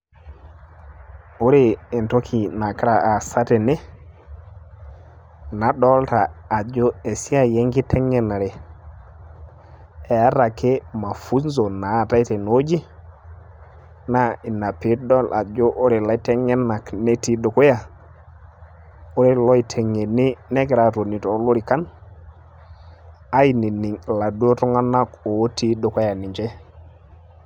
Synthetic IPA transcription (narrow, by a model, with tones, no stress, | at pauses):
o˦ɾeː˨nto˦kʰi˨na˨kɾa˨a˨sa˦te˨ne˦ | na˨˦dɔ˦lta˨a˨d͡ʒo˦e˨si˦a˨je˦ŋɡi˦te˦ŋɛ˦na˨ɾe˨ | e˨a˦ɾa˨ke˦ma˨fu˦nzo˨na˨˦˨ta˦jte˨no˦d͡ʒi˦ | na˦i˨na˨pi˨˦dɔ˦lʔa˨d͡ʒo˦ʔo˦ɾe˨la˦tɛ˦ŋɛ˦na˨kne˦ti˦do˨ko˦ja˨ | o˦ɾe˦lɔ˦i˨tʰe˨ŋe˨ni˦nɛ˦kɪ˦ɾa˨to˨ni˨tɔ˦lu˦ɾi˨ka˦n | a˦i˨ni˨ni˨la˨du˦o˦tɔ˦ŋa˦na˦ko˨˦ti˦do˨kɔ˦ja˨ni˨ɲd͡ʒɛ˦